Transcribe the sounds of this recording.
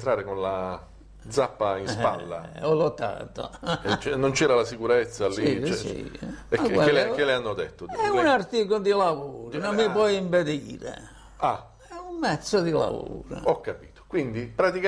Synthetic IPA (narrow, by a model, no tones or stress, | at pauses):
t̪ɾaːɾekonla | d̪zapːainspa̰lːa̰olot̪ːa̰ːt̪o̰ket͡ʃɛnːont͡ʃɛːɾalasikuɾɛt̪sːalːit͡ʃsḭɛakɛelkːeleanːod̪et̪ːoɛunart̪iːkod̪ilavuːɾnomːip̬wɔjimped̪iːɾḛ | a | ɛumːɛt̪sːod̪ila̰vṵːɾo̰ɔkːapiːt̪o̥kwind̪ipɾat̪ika